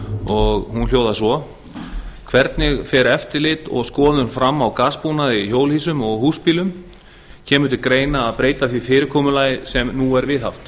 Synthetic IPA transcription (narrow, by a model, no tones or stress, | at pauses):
ɔɣhunl̥joːwðasɔ | kʰvɛɾt̪nɪɣfɛːɾɛft̪ɪɾlɪt̪ɔ̰ɣskɔːðʏnfɾamːawkaspunaðiçoːwlhiːsʏmɔɣhuːspiːlʏm | cʰɛːmʏnt̪ɪkɾeːjnaːðpɾeːjt̪aθiɾfɪːɾɪɾkʰɔːmʏlaːjsɛmnuɛɾvɪðɦa̰ft̪